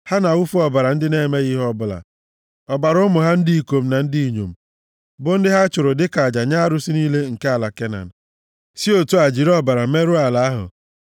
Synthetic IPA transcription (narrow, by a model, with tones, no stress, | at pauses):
ha˦na˨wu˦fu˦ɔ˦ba˨ɾa˨n̩˦dɪ˦ne˦˨me˦ɣɪ˦ɦɔ˦bʊ˦la̰˨ | ɔ˨ba˨ɾʊ˦mʊ˨ɦa˦n̩˦di˦i˨ko˨m̩˦na˨n̩˦di˦i˨ɲo̰˨m̩˨ | bʊ˦n̩˦dɪ˦ɦa˦t͡ʃʊ˨ɾʊ˨dɪ˦ka˨d͡ʒa˨ɲa˦ɾʊ˦si˦niː˦le˦ŋ̩˨ke˦a˨la˨ke˦na̰˨n̩˨ | si˦o˨tu˦a˨d͡ʒi˨ɾɔ˦ba˨ɾa˨me˦ɾʊ˦a˨la˨a˦ɦʊ̰˨